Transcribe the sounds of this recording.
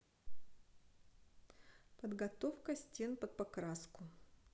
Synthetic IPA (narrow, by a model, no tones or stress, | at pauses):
pəd̪ɡɐt̪ofkəsʲtʲe̞npət̪̚pɐkɾaskʊ